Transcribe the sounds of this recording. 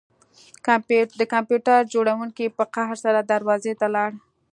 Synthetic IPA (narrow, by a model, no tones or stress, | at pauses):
d̪əkampjuʈaɾd͡ʒoɽawuŋkipəqaɦɾsaɾad̪aɾwɑzet̪alɑɽ